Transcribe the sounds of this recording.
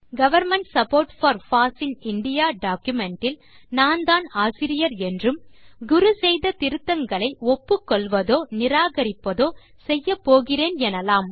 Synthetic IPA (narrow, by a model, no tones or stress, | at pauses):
ɡɐʋɐɾmɛɳʈsɐpoːɾʈfɐɾfaːsɪnɪɳɖɪjaːɖaːkjʊmɛɳʈɪl | naːnd̪aːnaːsɪɾɪjɐɾɛndrɯmɡʊɾusɛjðɐt̪ɪɾɯt̪ːɐŋɡɐɭɐɪɔpːɯkːɔɭʋɐðoːnɪɾaːɣɐɾɪpːɐðoː | sɛjːɐpːoːɣɪreːnɛnɐlaːm